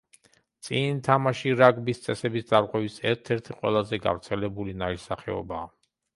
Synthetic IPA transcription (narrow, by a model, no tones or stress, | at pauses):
t̪sʼinit̪ʰamaʃiɾaɡbist̪sʼɛsɛbisd̪zʼaɾʁʼwɛvisɛɾt̪ʰɛɾt̪ʰiqʼwɛ̰lˠazɛɡa̰vɾt̪sʰɛlɛbulinaisaχɛ̰ɔ̰baː